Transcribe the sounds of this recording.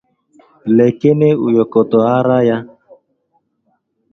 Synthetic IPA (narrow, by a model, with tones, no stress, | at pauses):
le˨ke˦ne˦u˨jɔ˨kɔ˨tɔ˨a˦ɾa˦ja˦